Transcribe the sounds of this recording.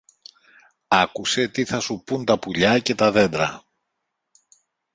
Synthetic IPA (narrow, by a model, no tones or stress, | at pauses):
ɐkuse̞t̪iθɐsupunt̪ɐpuʎɐce̞t̪ɐðe̞nd̪ɾɐ